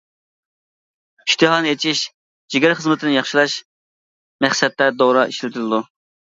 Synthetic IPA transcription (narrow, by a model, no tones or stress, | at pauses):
iʃt̪ʰɨɦɑnɨet͡ʃʰiʃ | d͡ʒiɡʲɛɾχəzmɨt̪ʰɪnɪjɑχʃilˠɑʃ | mæχsɛt̪lɛd̪oɾɑʔiʃlɪt̪ʰɪlɪd̪u